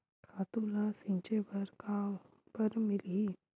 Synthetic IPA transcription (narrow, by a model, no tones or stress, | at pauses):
kʰaːt̪ulãsĩɲt͡ʃebɐɾka | pəɾmɪli